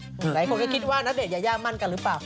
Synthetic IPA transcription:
la˨˦jkɔ˧˨˩ka˨˦jki˦˥t̚waː˧na˨˦˥ɗe˧˩za˧˩˦jzaː˧ma˧nka˧˩lɨ˨˦p̚aː˨˩

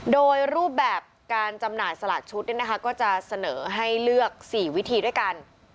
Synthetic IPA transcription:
doː˧jɾuː˥˩p̚bɛː˨˩p̚kaː˧nt͡ɕa˧mnaː˨˩jsa˧laː˨˩t̪̚t͡ɕʰu˦˥t̪̚ni˥˩na˦˥kʰa˦˥kɔː˥˩t͡ɕa˨˩sa˧nɤː˩˦ɦa˥˩jlɯ˥˩ək̚siː˨˩wi˦˥t̪ʰiː˧du˥˩əjka˧n

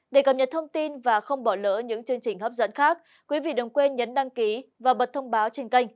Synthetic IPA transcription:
ɗe˨˩kə˨˩p̚ɲə˨˩t̚t̪ʰə˧wŋ͡mt̪i˧nvaː˨˩xə˧wŋ͡mɓɔ˧˩lə̰ː˧˨˥ɲɨ̰˧˥ŋt͡ɕɨ˧əŋt͡ɕï˨˩ŋ̟hə˦˥p̚zə̰˧˥nxaː˦˥k̚ | kwi˨˦vḭ˧˨ɗə˨˩wŋ͡mkwe˧nɲə˨˦nɗa˧ŋki˨˦vaː˨˩ɓə˨˩t̚t̪ʰə˧wŋ͡mɓaː˨˦wt͡ɕe˧nka˧jŋ̟

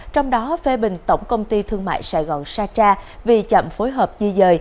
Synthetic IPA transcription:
t͡ɕɔ˧wŋ͡mɗɔ˨˦fe˨˦ɓï˨˩ŋ̟t̪ə˧˩wŋ͡mkə˧wŋ͡mt̪i˧t̪ʰɨ˧əŋma̰ː˧˨jsa̰ː˧˩jɣɔ˨˩nsaː˧t͡ɕaː˧vi˨˩t͡ɕə̰˧˨mfo˨˦jɦəː˨˩p̚t͡ɕi˧zəː˧j

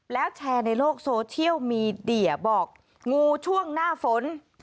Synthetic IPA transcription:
lɛː˦˥wt͡ɕʰɛː˧na˧jloː˥˩k̚soː˧t͡ɕʰi˥˩əwmiː˧di˧˩ɐ˩bɔː˨˩k̚ | ŋuː˧t͡ɕʰu˥˩əŋnaː˥˩fo˨˦n

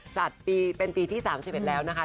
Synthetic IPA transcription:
t͡ɕa˨˩t̪̚piː˧pe˧npiː˧t̪ʰiː˥˩saː˩˦msi˨˩p̚e˨˩t̪̚lɛː˦˥wna˦˥kʰa˦˥

